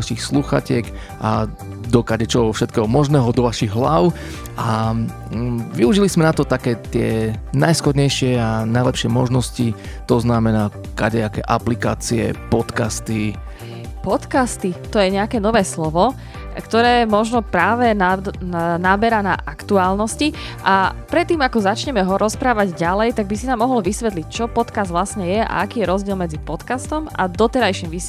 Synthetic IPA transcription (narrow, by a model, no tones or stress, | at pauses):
aʃixsluxa̰cɪɛk | ʔa̰ | d̪ɔkaɟɛt͡ʃɔɦɔfʃɛt̪̚kɛːɦɔmɔʒnɛːɦɔd̪ɔʋaʃiɣɦlaʊ | ʔa | ʋiuʒilizmɛnat̪ɔt̪akɛːt̪ɪɛ̰najsxɔd̪ɲɛjʃɪɛanajlɛpʃɪɛmɔʒnɔsci | t̪ɔznamɛnaː | kaɟɛakɛ̰ʔaplikaːt͡siɛ̰pɔt̪kast̪i | pɔt̪kast̪it̪ɔjɛɲɛakɛːnɔʋɛːslɔʋɔ | kt̪ɔɾɛːmɔʒnɔpɾaːʋɛnanabɛɾana̰ʔʔakt̪uaːlnɔsci | ʔapɾɛt̪ːiːmakɔzat͡ʃɲɛmɛɦɔɾɔspɾaːʋaɟɟalɛjt̪aɡ̚bisinaːmːɔɦɔl̩ʋisʋɛt̪lic̚t͡ʃɔpɔt̪kazd̪ʋlasɲɛjɛʔa̰akiːjɛɾɔzɟɪɛlmɛd͡zipɔt̪kast̪ɔmʔa̰d̪ɔt̪ɛɾajʃiːmʋi